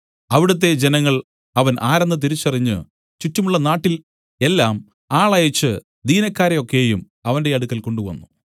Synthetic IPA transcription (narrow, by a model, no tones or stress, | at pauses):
ɐʋiɽɐt̪̬ːe̞d͡ʑe̞nɐŋːɐɭ | ɐʋɐnʔaːɾenːɨt̪̬iɾit͡ɕːɐriɲːɨ̰ | t͡ɕutːɐmuɭːɐnaːʈːil | e̞lːaːm | aːɭɐjɐt͡ɕːɨ | d̪iːnɐkːaːɾɐjo̞kːe̞jum | ɐʋɐnde̞ɐɽukːɐlko̞ɳɖuʋɐ̰nːu